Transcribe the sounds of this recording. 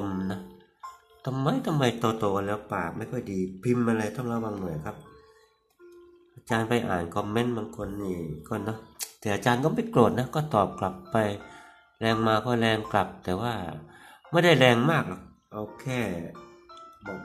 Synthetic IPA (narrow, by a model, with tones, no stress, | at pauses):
mnɔ˧˥ | t̪ʰa˧mːa˧˥jt̪ʰa˧ma˧˩jt̪ɔː˧t̪oː˧˩ka˧nlɛː˧˩paː˨˩k̚ma˧˥˩jkʰɔ˧˥˩jdiː˧pʰi˧mʔa˧ɾa˧jt̪ɔ˧˥˩ŋlaː˧˩baː˧ŋnu˨˩əjkʰa˦˥p̚ | ʔaː˧t͡ɕaː˧npa˧jʔa̰ː˨˩nkʰɔ˧˩me˧˥˨nbaː˧ŋkʰo˧nːiː˧˩kɔː˧˥˩nɔ˦˥t̪ʰɛː˧˩ʔaː˧t͡ɕaː˧nkɔː˥˩ma˥˩jklo˨˩t̪̚na˦˥kɔː˥˩t̪ɔː˨˩p̚kla˨˩pːa˧j | lɛː˧ŋmaː˧kɔː˥˩lɛː˧ŋkla˨˩p̚t̪ɛː˨˩waː˧˥˩ma˥˩jda˥˩jlɛː˧ŋmaː˥˩k̚lɔ˧˩k̚ | ʔaː˧wkʰɛː˧˥˩ | bɔː˨˩k̚